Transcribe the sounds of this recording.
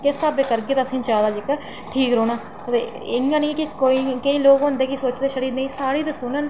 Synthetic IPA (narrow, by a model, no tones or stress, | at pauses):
kɪsaːbeːkəɾɡeːt̪ːəsĩːt͡ʃaːd̪aːd͡ʒɪk | ʈʰiːkɾoːnaː | t̪e | ɪŋɡãːnĩːkɪkoːiːkəĩːloːkɦʊ̃nd̪eːkɪsoːt͡ʃd̪eːʃəɾiːd̪nəiːsaːɽiːd̪əsʊnən